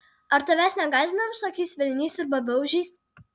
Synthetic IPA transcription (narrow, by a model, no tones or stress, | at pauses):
ɐɾt̪ɐʋʲæsnʲɛɡɑːzʲɪnɐʋʲɪsoːkʲisʲʋʲɪlʲnʲiːsɪɾbɐbʲɛʊʒʲiːs